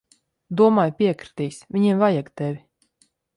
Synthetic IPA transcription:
d̪uɔmaːjpʲiɛkɾɨ̥t̪ijsvʲiɲimvajaɡt̪ɛvʲi

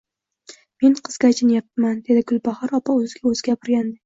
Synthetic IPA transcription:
me̞nqʰɨzɡʲat͡ʃʰɪnjap̪̚ːmand̪e̞d̪ɪɡʊlˠbaχaɾɒpʰɒɵzɪɡʲaɵz̥ɪɡʲapʰɪɾɡʲand̪ɪ

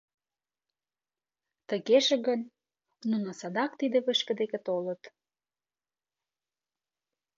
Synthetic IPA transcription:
t̪əɣeʃĕɣən | nunosɑd̪ɑkt̪id̪eβə̆ʃkə̆d̪ekĕt̪olə̆t̪

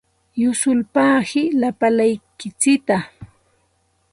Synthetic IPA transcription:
jʊsʊlpaːhɪlapalajkɪt͡sɪt̪a

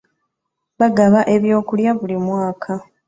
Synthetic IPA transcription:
βaɡaβaʔe̞βjo̞ːkuljaβulimwaːkʰa

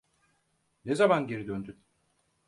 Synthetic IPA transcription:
nezamanɟiɾid̪ønd̪yn

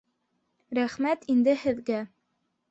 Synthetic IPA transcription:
ɾæχmæt̪ind̪ɘhɘ̆ðɡæ

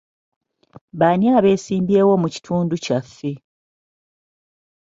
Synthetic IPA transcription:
βanjaːβe̞ːsiːmbje̞ːwo̞muci̥tʰuːnducafːe̞

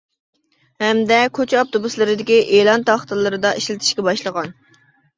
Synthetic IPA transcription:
hɛmd̪ɛkʲʰøt͡ʃʰɛɑp̚t̪obuslˠɨɾɨd̪ɪkʲiʔelˠɑnt̪ʰɑχt̪ɨlˠɨɾɨd̪ɑʔeʃlɪt̪ʰɪ̥ʃkʲɛbɑʃlˠəʁɑn

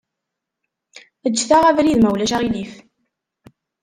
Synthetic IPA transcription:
əd͡ʒːθaʁævɾiðmæwlæʃaʁilif

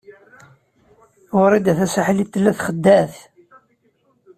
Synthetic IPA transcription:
ʊɾˤid̪æθæsəħlit̪ːəlːæθχəd̪ːæθ

